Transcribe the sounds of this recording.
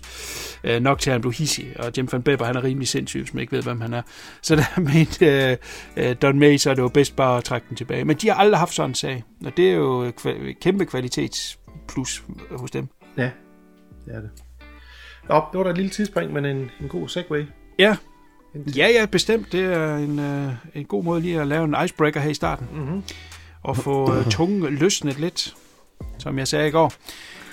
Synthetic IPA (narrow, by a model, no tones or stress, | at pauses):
ønɒ̽ɡ̥̚t͡sʰe̝hænb̥le̝ʊhisiɒ̽d̥emfænb̥eb̥ɐhænæɐʁiːmlise̝n̰sy̰ʋe̝smæneɡ̥ʋe̝ð̞̰ˠʋemhænæɐ | sɒ̽d̥æmeːnd̥ | d̥ɒnmeɪsɒ̽ɐɾe̝job̥esd̥̚b̥ɑ̈ːɒt͡sʰʁaɡ̥̚d̥em̩t͡sʰe̝b̥ɛːɪmend̥ihɑ̈ʔɑ̈ld̥ʁiɦɑ̈fd̥sɒ̽nensɛ̰ɪʔɒ̽d̥e̝æɐjo̝kʰkʰemb̥əkʰʋælit͡sʰe̝̰ːd̥spʰlushɔsd̥em | jæ | d̥eæɐde | nɒb̥d̥eʋɐɾɑɪd̥lilət͡sʰiðˠsb̥eŋ̰d̥menenenɡ̥o̝̰ːseɡ̥weɪjæ | jæjæb̥e̝sd̥em̰d̥ːe̝æɐene̝nɡ̥o̝̰ːmɔ̽ːðˠliːælɛːʊe̝nɑ̈ɪsb̥ʁeɡ̥ɐɦeɐ̰isd̥ɑ̰̈ːd̥n̩ | ʔɒ̽fɔ̰̽ːt͡sʰɔ̽ŋløsned̥le̝d̥ | sɒ̽mjɑ̈ɪsɛːiɡ̥ɒ̰ː